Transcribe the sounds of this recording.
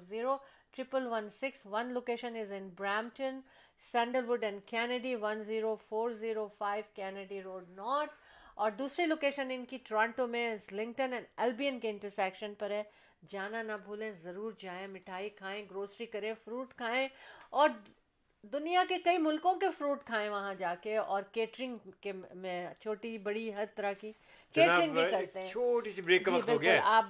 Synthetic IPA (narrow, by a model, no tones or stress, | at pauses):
ziːɾo | ʈɾɪpəlʋɐ̃nsɪksʋɐnloːkeːʃə̃nɪzɪ̃nbɾɛːmʈə̃n | sɛ̃ːɳɖəɾʋʊɖɛ̃ɳɖkɛːnəɖiʋɐ̃nziːɾofoːɾziːɾofaːɪʋkɛːnəɖiɾoːɖnɔːɾt̪ʰɔːɾd̪uːsɾiloːkeːʃənɪ̃nkiʈɾãːɳʈõmẽslɪ̃ŋɡʈə̃nɛ̃nɛlbiːə̃nkeɪ̃ɳʈəɾsɛːkʃənpɐɾɦɛː | d͡ʒaːnanɐbʱuːlẽzɐɾuːɾd͡ʒaːẽmɪʈʰaːikʰaːẽɡɾoːsɾikɐɾẽfɾuːʈkʰaːẽɔːɾ | d̪ʊnijakekɐimʊlkõkefɾuːʈkʰaːẽʋɐɦãd͡ʒaːkeɔːɾkeːʈɾɪ̃ŋɡkemẽt͡ʃʰoːʈibɐɽiɦɐɾt̪ɐɾaki | keːɾɪ̃ŋɡbʱĩkɐɾt̪eɦɛ̃oːʈisibɾeːkːɐmbɪlɡʊlaːp